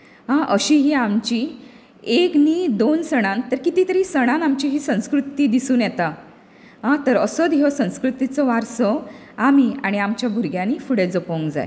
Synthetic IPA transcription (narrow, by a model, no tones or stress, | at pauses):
ɦãʔəɕiɦiːamt͡ɕi | ekniːd̪onsəɽ̃ant̪əɾkit̪it̪əɾiːsəɽ̃ãnamt͡ɕiɦiːsə̃w̃skɾut̪iːd̪isuːnjɛt̪a | ɦãt̪əɾəsɔd̪ɦɔsə̃w̃skɾut̪it͡sɔʋaɾsɔ | amiaɽ̃iamt͡ɕjabʱuɾɡjãniːfuɽed͡zopoŋkd͡za̰ḛ